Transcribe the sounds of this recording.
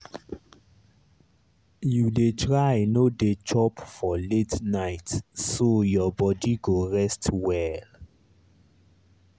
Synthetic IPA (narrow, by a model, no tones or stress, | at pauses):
judetʰɹajnodet͡ʃɔpfɔletnaɪtsojɔbɔdiɡoɹɛstwɛl